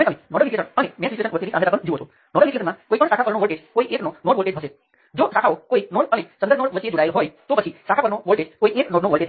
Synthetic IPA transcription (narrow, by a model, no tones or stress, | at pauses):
mẽt̪əmenɔɽəlit̪iesənənemɛ̃sit͡ʃuesənʋət̪inisãmet̪akɔ̃ɳd͡ʒiʋoɦt̪o | nɔɽəlʋit̪ies̬ɔnmakoikɔɳsakʰapəɾnoʋəlʈed͡ʒkoiʔeknɔnoɽʋoɭʈed͡ʒɦəse | d͡ʒosakʰaokoinoɽənesənd̪əɾnɔɽʋət͡ʃied͡ʒoɽajlɦɔjt̪opət͡ʃʰisakʰapəɾñoʋəlʈed͡ʒkoieknɔɖnoʋəlʈed͡ʒ